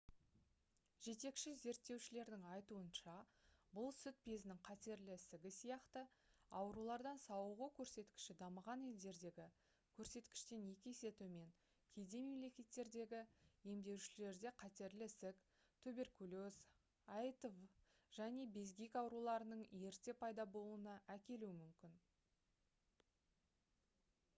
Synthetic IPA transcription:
ʒ̥e̞t̪e̞kʃɪze̞ɾt̪ːe̞wʃɪle̞ɾd̪ɪŋɑjt̪uənʃɑ | bʊlˠsʏt̪̚pe̞zɪnɪŋqʰɑt̪e̞ɾlɪsɪɡʲɪsijɑqt̪ə | ɑwɾulˠɑɾd̪ɑnsɑwəʁəkʲʰɵɾse̞t̪kʲɪ̥ʃɪd̪ɑməʁɑne̞ld̪e̞ɾd̪e̞ɡʲɪ | kʲʰɵɾse̞t̪kʲɪ̥ʃt̪e̞nje̞kʲese̞t̪ume̞ŋ | kʲʰe̞d̪e̞me̞mle̞kʲe̞t̪ːe̞ɾd̪e̞ɡʲɪje̞md̪e̞wʃɪle̞ɾd̪e̞qʰɑt̪e̞ɾlɪsɪk | t̪ʰɵbe̞ɾkulʲoz | ɑjt̪ov | ʒ̥æne̞be̞zɡʲikɑwɾulˠɑɾənəɴje̞ɾt̪e̞pʰɑjd̪ɑbo̞lˠuənɑʔækʲe̞luwɪmʏmkʲɪn

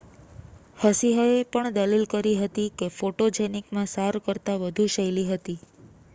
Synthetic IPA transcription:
həsiɦəepəɳd̪əlilkəɾiɦət̪ikefoʈod͡ʒenikmãsaɾkəɾt̪aʋəd̪ʱuʃəjliɦət̪i

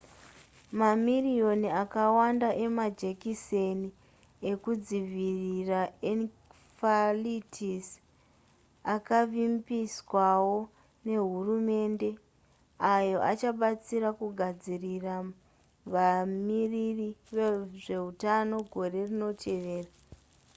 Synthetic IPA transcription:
mamirio̞niakawandaʔe̞mad͡ʒekiseni | e̞kud͡ziʋiriraen | falitʰis | akaʋimbiswawo̞ | ne̞ɦurume̞nde̞ | ajo̞ʔat͡ʃaɓat͡siɾakuɡʱad͡zirira | ʋamiririʋeʐe̞ɦutano̞ɡʱo̞re̞rino̞tʰe̞ʋe̞ːra

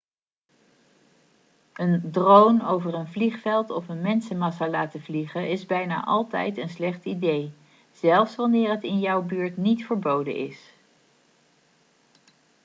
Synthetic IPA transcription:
ʔəndrownowvəɹənvliχfɛlˠtɔfənmɛnsəmɑsaːlaːtəvliχəɪzbɛjna̰ːʔɑlˠtɛ̰jtənslɛχtidej | z̥ɛlˠfsʋɑnɪːɹɦətɪnjɒwbyːɹtnitfəɹbowdə̰nʔɪ̰s

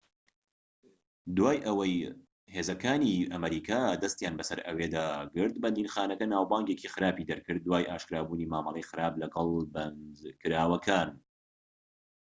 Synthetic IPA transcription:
d̪waːjʔɐwɐj | heːzɐkaːniʔɐmɐɾiːkʰaːd̪ɐst̪jaːnbɐsɐɾʔɐ̰weːd̪aːɡɨɾt̪̚bɐnd̪iːnxaːnɐkɐnaːwbaːŋɡeːcʰixɨɾaːpid̪ɐɾkʰɨɾd̪̚ːwaːjʔaːʃkɾaːbuːniːmaːmɑlˠejxɨɾaːblɐɡɐlˠbɐnzkɨɾaːwɐkʰaːn

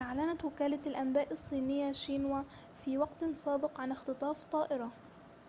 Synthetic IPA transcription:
ʔaʕlanat̪wɪkaːlalʔambaːʔɨsˤːiːnɪjːaʃiːnwa | fiːwɑqt̪saːbɪqʕanɪxt̪ɨt̪ˤɑːft̪ˤɑːʔɪɾˤɑ

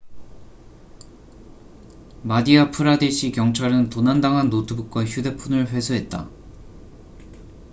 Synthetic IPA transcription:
madiapʰɯɾadeɕʰikjʌŋt͡ɕʰaɾɯntonandaŋɦanːotʰɯbuk͈waçjude̞pʰunɯɭɸwe̞sʰoɦe̞t̚t͈a̰

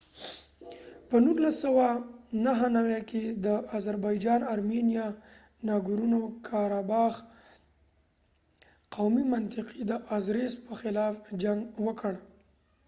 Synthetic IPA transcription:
pənuɾlasːawanaɦənawjaked̪əazaɾbɑjd͡ʒɑnaɾmenijɑ | nɑɡuɾunokʰɑɾɑbɑx | qawmimant̪ɪqid̪əʔazɾespəxɪlɑfd͡ʒaŋɡwəkəɽ

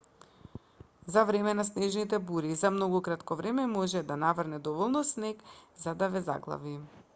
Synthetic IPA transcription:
zavɾɛmɛnasnɛʒnit̪ɛbuɾizamnɔɡukɾat̪kɔvɾɛmɛmɔʒɛd̪anavərnɛd̪ɔvɔlˠnɔsnɛkzad̪avɛza̰ɡlˠa̰vi

